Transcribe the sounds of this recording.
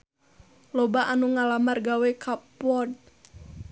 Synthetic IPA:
lɔbaʔanuŋalamarɡawɛkapɔd̚

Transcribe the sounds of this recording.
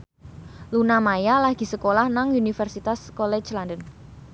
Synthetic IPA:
lunamajalaɡ̥i̤səkolahnaŋunifərsit̪askɔlɛ̥t͡ʃlandən

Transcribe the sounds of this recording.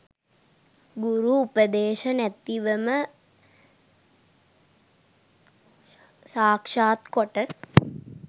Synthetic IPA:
ɡuɾuːpəd̪eːʃɐnæt̪ːiʋəmə | saːkʂaːt̪koʈə

